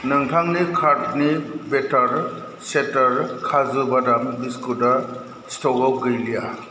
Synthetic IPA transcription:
nɯŋtʰaŋnikʰaɾt̚nibetaɾ | setaɾkʰazɯbadambiskuda | stɔɡawɡɯjlija

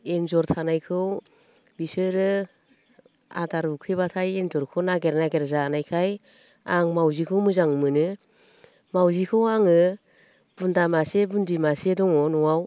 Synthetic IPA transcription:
enzɔɾtʰanajkʰɯw | bisɯɾɯ | a̰daɾukʰɯβatʰajenzɔɾkʰɯwnaɡeɾnaɡeɾzanajkʰaj | aŋmawzikʰɯwmɯzaŋmɯnɯ | mawzikʰɯwaŋɯ | b̥undamasebundimasedɔŋɔnɔwaw

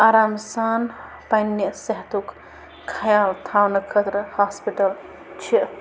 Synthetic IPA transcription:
aːɾaːmsaːn | pɐnːjəsɐɦt̪uk | kʰɐjaːlt̪ʰaːwnɐkʰət̪ɾɐhaːspiʈɐl | t͡ʃʰiʔ

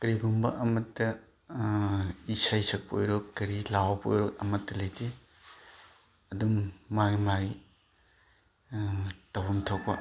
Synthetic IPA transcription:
kɐɾiɡumbɐ̰ʔɐmɐtːɐ | isajsɐk̚po̰jɾokːɐɾilawpo̰jɾɔk̚ɐmɐtːɐlɐjte | ɐdumːaɡimaɡi | tɐwɐmtʰok̚pɐ

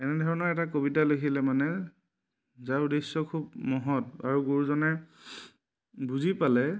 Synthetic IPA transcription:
ɛnɛdʱɔɹɔnɔɹɛtakobitalokʰilɛmanɛ | zaʊdisɔkʰubmɔɦɔta̰ɹuɡoɹuzɔnɛ | buzipalɛ

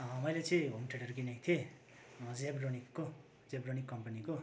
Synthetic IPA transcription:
ʌmʌjlet͡sĩĩbʱomʈʰeʈʌrkinet̪ʰie | d͡zebronikːo | d͡zebronikːʌmpaniko

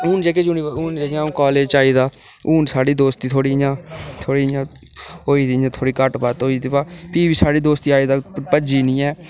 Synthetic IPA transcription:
uːnd͡ʒeːkeːd͡ʒʊniːuːnd͡ʒeːjãːũːkɔːleːd͡ʒaːiːd̪aːuːnsaːɽiːd̪oːst̪iːt̪ʰoːɽiːjãːt̪ʰoːɽiːjãː | oːiːd̪ijãːt̪ʰoːɽiːkəʈbaːt̪oːiːd̪ipaːpiːbiːsaːɽiːd̪oːst̪iːaːiːd̪aːpəd͡ʒiːnĩːɛː

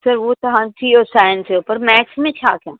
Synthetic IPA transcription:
sɐɾʋot̪ɐɦãːt͡ʃiɔːɾsaːjnseuːpəɾmɛːt͡ʃmẽt͡ʃʰaːkja̰ː

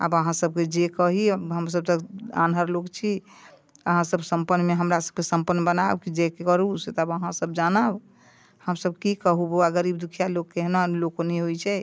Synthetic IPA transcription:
a̰bəɦãsəb̚ked͡ʒekəɦiɦəms̬əb̚t̪əa̰nɦəɾlokt͡ʃʰi | əɦãsəbsəmpənːmeɦəmɾasəb̚kesəmpənːbənabkid͡ʒekekəɾuset̪əbəɦãsəbd͡ʒanəb | həmsəb̚kikəɦuboaɡəɾib̚d̪ukʰijalokkːeɦnolokonɛɦojt͡ʃʰɛ

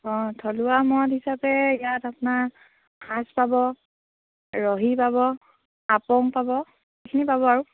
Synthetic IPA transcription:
ɔ̃tʰɔlʊwamɔthisapɛijatapʊnaɹ | hãspabɔ | ɹɔɦipabɔ | apɔŋpabɔ | xekʰinipabɔaɹu

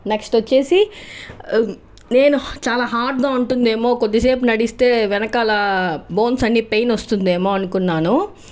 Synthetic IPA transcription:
neksʈʋɐt͡ʃːe̞ːsi | ne̞ːnut͡ʃaːlaːɦaːɾɖɡ̪aːuɳʈund̪e̞ːmo̞ːkod̪ːise̞ːp̬unɐɽist̪e̞ːʋɛnɐkaːlɐbo̞ːnsɐnːiːpe̞jnost̪und̪eːmo̞ːɐnukunːaːnu

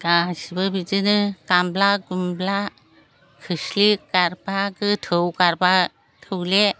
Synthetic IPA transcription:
kasibɯbid͡ʒɯnɯkamblaɡumbla | kʰɯslikaɾbakɯtʰɯwkaɾba | tʰɯwle

